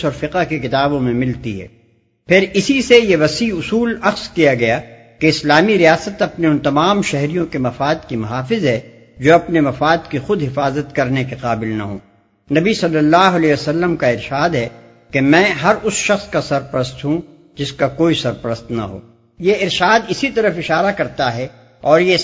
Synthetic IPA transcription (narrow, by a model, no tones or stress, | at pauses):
ɔːɾfɪqəɦkekɪt̪aːbõmẽmɪlt̪iɦɛ̰ː | pʰɪɾɪsisejeʋɐsiʊsuːlɐxzkijaɡɐja | keɪslaːmiɾijaːsət̪ɐpneʊ̃nt̪ɐmaːmʃɛɦɾijõkemɐfaːd̪kimʊɦaːfɪzɦɛː | d͡ʒoːɐpnemɐfaːd̪kixʊd̪ɦɪfaːzət̪kɐɾnek̬eqaːbɪlnɐ̰ɦṵ̃ː | nɐbisɐlːəlːaːɦʊɐlɛːosɐlːəmkaɪɾʃaːd̪ɦɛ | kemɛ̃ːɦɐɾʊsʃɐxskasɐɾpɐɾəst̪ɦũ | d͡ʒɪskakoːisɐɾpɐɾəst̪nɐ̰ɦo̰ː | jeɪɾʃaːd̪ɪsit̪ɐɾəfɪʃaːɾakɐɾt̪aɦɛ | ɔːɾje